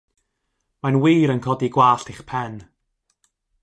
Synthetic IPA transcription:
manwiːɾənkʰɔdiɡwaːɬtʰiχpʰɛn

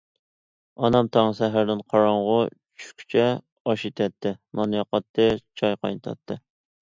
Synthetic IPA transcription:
ɑnɑmt̪ʰɑŋsɛɦæɾd̪ɪnqʰɑɾɑɴʁʊt͡ʃʰy̥kʲʰy̥t͡ʃʰɛ | ɑʃit̪ʰɛt̪ʰːɪnɑnjɑqɑt̪ʰːɨt͡ʃʰɑjqɑ̰jnɨt̪ʰɑ̰t̪ʰːɨ

